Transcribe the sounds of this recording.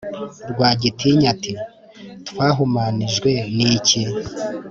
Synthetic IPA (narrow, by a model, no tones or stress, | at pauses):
ɾɡwaːɟitiɲati | twaːɦumaniʒɡwe̞nici